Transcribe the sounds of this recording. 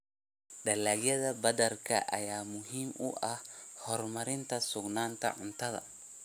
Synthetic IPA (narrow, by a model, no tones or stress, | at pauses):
ɖɐlaːɡjɐðɐbɐd̪ɐrkʰɐ̰ʔɐ̰jaːmʊɦiːmʊ̰ʔɐhhɔrmɐɾɪnt̪ʰɐsʊɡnaːnt̪ʰɐ̰ʕʊnt̪ʰɐðɐ̰